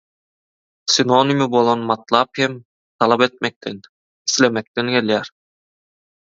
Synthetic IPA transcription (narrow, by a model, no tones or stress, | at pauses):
sʲinonimibolˠonmɑt̪lˠɑphem | t̪ʰɑlˠɑpet̪̚mek̚t̪en | i̥slemek̚t̪eŋɡeleɾ